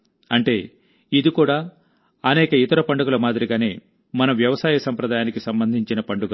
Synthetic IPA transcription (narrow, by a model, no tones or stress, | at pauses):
ɐɳʈe̞ː | id̪ikuːɽaː | ɐnɛːkɐit̪ɐɾɐpɐɳɖuɡɐlɐmaːd̪iɾiɡaːne̞ː | mɐnɐʋjɐʋɐsaːjɐsɐmpɾɐd̪aːjaːnikisɐmbɐnd̪ʱiɲt͡ʃinɐpɐɳɖuɡ